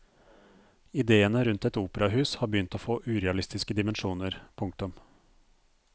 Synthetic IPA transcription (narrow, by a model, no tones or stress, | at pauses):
ɪd̪eːənəɾʉnt̪ɛt̪uːpəɾɑhʉːshɑːɾbəjʏnt̪oːfoːʔʉːɾɛɑlɪst̪ɪskəd̪ɪmənʂuːnəɾpʰʊŋk̚t̪ʊm